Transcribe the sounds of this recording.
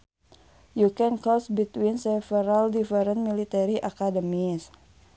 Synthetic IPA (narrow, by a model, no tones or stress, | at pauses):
jukɛnkɔsbit̪winsɛfɛɾaldifɛɾənt̪milit̪ɛɾiʔakadəmis